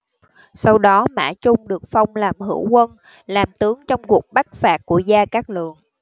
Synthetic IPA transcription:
sa˧wɗɔ˨˦ma̰ː˧˥˩t͡ɕʊ˧ŋ͡mɗɨ˨˩ək̚fa˧wŋ͡mlaː˨˩mɦɨ̰˧˩əwkwə˧n | laː˨˩mt̪ɨ˨˦əŋt͡ɕɔ˧wŋ͡mku˨˩ək̚ɓa˦˥t̚faː˨˩t̚kːu˧˩əzaː˧kaː˦˥k̚lɨ˨˩əŋ

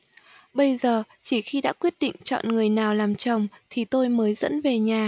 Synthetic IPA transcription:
ɓə˧jzəː˨˩ | t͡ɕi˧˩xi˧ɗa̰ː˧˥kwi˦˥ət̚ɗḭ̈˧˨ŋ̟t͡ɕɔ̰˧˨nŋɨ˨˩əjnaː˨˩wlaː˨˩mt͡ɕə˨˩wŋ͡mt̪ʰi˨˩t̪o˧jməː˨˦jzə̰˧˥nve˨˩ɲaː˨˩

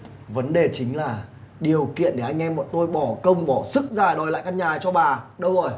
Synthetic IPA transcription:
və˨˦nɗe˨˩t͡ɕï˨˦ŋ̟laː˨˩ | ɗi˨˩əwkḭ˧˨ənɗe˧˩ʔa˧jŋ̟ʔɛ˧mːɔ̰˧˨nt̪o˧jɓɔ˧˩kə˧wŋ͡mɓɔ˧˩sɨ˦˥k̚zaː˨˩jɗɔ˨˩jla̰ː˧˨jkaː˧nɲaː˨˩t͡ɕɔ˧ɓaː˨˩ɗə˧wzo˨˩j

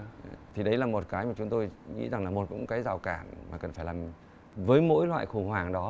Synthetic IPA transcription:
t̪ʰi˨˩ɗə˨˦jlaː˨˩mo˨˩t̚kaː˨˦jmaː˨˩t͡ɕʊ˨˦ŋ͡mt̪o˧jŋḭ˧˥za˨˩ŋlaː˨˩mo˨˩t̚kʊ̰˧˥ŋ͡mkaː˨˦jzaː˨˩wkaː˧˩nmaː˨˩kə˨˩nfaː˧˩jlaː˨˩m | vəː˨˦jmo̰˧˥jlwa̰ː˧˨jxʊ˧˩ŋ͡mhwaː˨˩ŋɗɔ˨˦

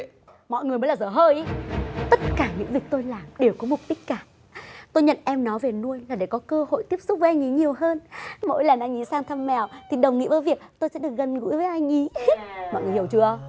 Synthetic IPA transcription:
mɔ̰˧˨jŋɨ˨˩jə˨˦laː˨˩zəː˧˩ɦəː˧jʔt̪ə˦˥t̚kaː˧˩ɲɨ̰˧˥ŋvi˨˩ək̚t̪o˧jlaː˨˩mɗe˨˩wkɔ˨˦mʊ˨˩k͡p̚ɗï˦˥k̟̚kaː˧˩ | t̪o˧jɲə̰˧˨nʔɛ˧mnɔ˨˦ve˨˩nu˧əjlaː˨˩ɗe˧˩kɔ˨˦kəː˧ho̰˧˨jt̪i˦˥əp̚sʊ˦˥k͡p̚za˧jŋʔi˨˦ɲi˨˩əwɦəː˧nmo̰˧˥jlaː˨˩nʔa˧jŋʔi˨˦saː˧ŋt̪ʰə˧mːɛ˨˩wt̪ʰi˨˩ɗə˨˩wŋ͡mŋḭ˧˥vəː˨˦jvi˨˩ək̚t̪o˧jsɛ̰˧˥ɗɨ˨˩ək̚ɣə˨˩nŋṵ˧˥jvəː˨˦jʔa˧jŋʔi˨˦mɔ̰˧˨jŋɨ˨˩hi˧˩əwt͡ɕɨ˧ə˧

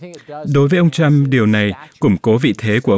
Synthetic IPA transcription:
ɗo˨˦jvəː˨˦jʔə˧wŋ͡mt͡ɕa˧mɗi˨˩əwna˨˩jkʊ˧˩ŋ͡mko˨˦vḭ˧˨t̪ʰe˨˦ku˧˩əʔ

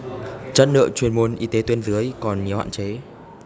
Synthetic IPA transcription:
t͡ɕə˦˥t̚nɨ̰˧˨t͡ɕwi˨˩ənmu˨˩ənʔi˨˦t̪e˨˦t̪wi˧ənzɨ˨˦əjkɔ˨˩nɲi˨˦əwha̰ː˧˨nt͡ɕe˨˦

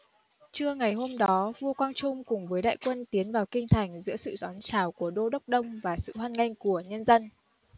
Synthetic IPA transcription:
t͡ɕɨ˧əŋa˨˩jɦo˧mɗɔ˨˦vu˧kwaː˧ŋt͡ɕʊ˧ŋ͡mkʊ˨˩ŋ͡mvəː˨˦jɗa̰ː˧˨jkwə˧nt̪i˨˦ənvaː˨˩wkï˧ŋ̟t̪ʰa˨˩jŋ̟zɨ̰˧˥əsɨ̰˧˨zɔː˨˦nt͡ɕaː˧˩wku˧˩əɗo˧ɗə˦˥wk͡p̚ɗə˧wŋ͡mvaː˨˩sɨ̰˧˨hwaː˧nŋa˧jŋ̟ku˧˩əɲə˧nzə˧n

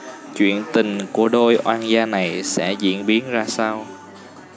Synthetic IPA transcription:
t͡ɕwḭ˧˨ənt̪ï˨˩ŋku˧˩əɗo˧jʔwaː˧nzaː˧na˨˩jsɛ̰˧˥zḭ˧˥ənɓi˨˦ənzaː˧saː˧w

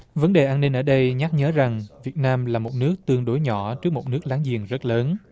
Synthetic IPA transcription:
və˨˦nɗe˨˩ʔaː˧ni˧ŋ̟ʔəː˧˩ɗə˧jɲa˦˥k̚ɲəː˨˦za˨˩ŋvi˨˩ət̚naː˧mlaː˨˩mo˨˩t̚nɨ˦˥ək̚t̪ɨ˧əŋɗo˨˦jɲɔ˧˩t͡ɕɨ˦˥ək̚mo˨˩t̚nɨ˦˥ək̚laː˨˦ŋzḭ˨˩əŋzə˦˥t̚ləː˨˦n

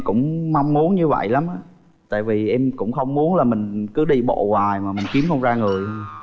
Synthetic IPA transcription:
kʊ̰˧˥ŋ͡mma˧wŋ͡mmu˨˦ənɲɨ˧və̰˧˨jla˨˦mʔaː˨˦ | t̪a̰ː˧˨jvi˨˩ʔɛ˧mkʊ̰˧˥ŋ͡mxə˧wŋ͡mmu˨˦ənlaː˨˩mï˨˩ŋ̟kɨ˨˦ɗi˧ɓo̰˧˨ɣwaː˨˩jmaː˨˩mï˨˩ŋ̟ki˨˦əmxə˧wŋ͡mzaː˧ŋɨ˨˩əjhə˧ŋ

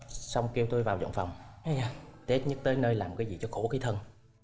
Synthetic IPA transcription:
sa˧wŋ͡mki˧əwt̪o˧jvaː˨˩wzə̰˧˨nfa˨˩wŋ͡m | t̪e˦˥t̚ɲə˦˥t̚t̪əː˨˦jnəː˧jlaː˨˩mkaː˨˦jzi˨˩t͡ɕɔ˧xo˧˩xi˨˦t̪ʰə˧n

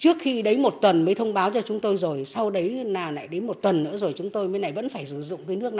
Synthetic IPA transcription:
t͡ɕɨ˦˥ək̚xi˧ɗə˨˦jmo˨˩t̚t̪wə˨˩nməː˨˦jt̪ʰə˧wŋ͡mɓaː˨˦wt͡ɕɔ˧t͡ɕʊ˨˦ŋ͡mt̪o˧jzo˨˩jsa˧wɗə˨˦jnaː˨˩na̰ː˧˨jɗe˨˦nmo˨˩t̚t̪wə˨˩nːɨ̰˧˥əzo˨˩jt͡ɕʊ˨˦ŋ͡mt̪o˧jmə˨˧˦na˨˩jvə̰˧˥nfaː˧˩jsɨ˧˩zʊ̰˧˨ŋ͡mk̪əː˨˦jnɨ˦˥ək̚na˨˩

